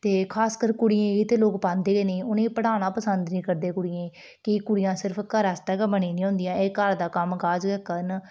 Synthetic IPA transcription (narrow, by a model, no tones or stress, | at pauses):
t̪eːkʰaːskəɾkʊɽɪẽːit̪eːloːkpãːnd̪eːɡeːnẽːʊnẽːpəɽaːnãːpəsənd̪nĩːkəɾd̪eːkʊɽɪjẽː | kikʊɽɪjãːsɪɾpʰkəɾɛːst̪ɛːkːbəniːnĩːɦʊ̃nd̪ijãːeːkəɾd̪aːkəmkaːd͡ʒɡɛːkən